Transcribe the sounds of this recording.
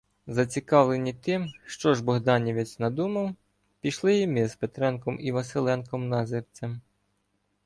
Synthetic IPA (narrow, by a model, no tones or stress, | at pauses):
zɐt͡sʲikɑʋlˠenʲit̪ɪmʃt͡ʃɔʒbɔɦd̪ɑnʲiʋʲɪt͡sʲnɐd̪umɐw | pʲiʃlˠɪjimɪzpet̪ɾɛnkɔmiʋɐselˠɛnkɔmnɑzɪrt͡sʲɐm